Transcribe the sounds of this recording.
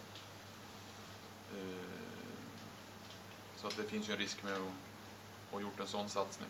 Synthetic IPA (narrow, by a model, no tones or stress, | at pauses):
sɔat̪̚d̪ɛfɪnsjɵɛnɾɪskmɛɔ | ɔjʊʈːɛnsɔnːsat̪snɪ̰